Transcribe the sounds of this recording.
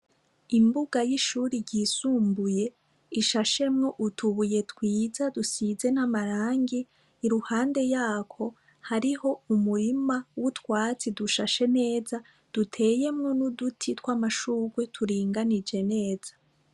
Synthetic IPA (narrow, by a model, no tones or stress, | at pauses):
imbuɡajiʃuːɾiɟiːsuːmbuje̞ | iʃaʃe̞mŋo̞ʔutʰuβuje̞tkwiːzadusize̞namaɾaːŋɡiː | ɾuhaːnde̞jaːkʰo̞ | haɾiho̞umuɾimawutwaːt͡siduʃaʃe̞ne̞ːza | d̥utʰe̞ːje̞mŋo̞nudutʰitwaːmaʃuːɡwe̞tʰuɾiːŋɡanid͡ʒe̞ne̞ːz̥ḁ